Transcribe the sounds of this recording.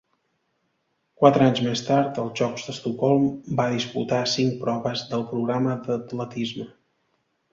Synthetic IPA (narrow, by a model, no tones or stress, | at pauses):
kwat̪ɾəaɲzmest̪aɾt̪əlˠzʒɔkzðəst̪ukɔlˠmbaðispṵt̪asiŋk̚pɾɔβəzðəlˠpɾuɣɾaməd̪ət̪lət̪izmə